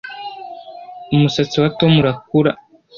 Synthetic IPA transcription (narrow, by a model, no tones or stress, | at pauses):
umusat͡siwatomuɾak̚uɾa